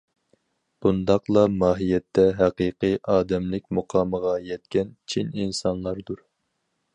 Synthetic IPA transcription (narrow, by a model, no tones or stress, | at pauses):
b̥und̪ɑqlˠɑmɑːɦijɛt̪ʰːɛɦæqiːqɨʔɑːd̪ɛmlɪk̚ʲmuqʰɑːməʁɑjɛt̪̚kʲɛnt͡ʃʰininsɑnlˠɑɾd̪uɾ